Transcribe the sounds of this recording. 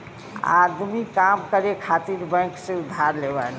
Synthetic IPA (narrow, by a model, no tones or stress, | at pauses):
a̰d̪mikamkəɾekʰat̪iɾbə̃ksẽud̪ʱːaɾlebal